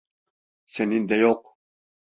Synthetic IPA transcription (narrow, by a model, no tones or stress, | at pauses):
sɛnind̪ɛjoq